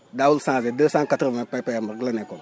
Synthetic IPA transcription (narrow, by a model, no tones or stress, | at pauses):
dawulsãːzedəːsãːŋkatɾvãpɛpɛmaɾɡlanekɔ